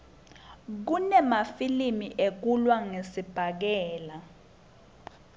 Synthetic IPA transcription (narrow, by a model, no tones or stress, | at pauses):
k̬unɛmafilimiʔek̬ulwaŋesib̥ʱak̬ɛːla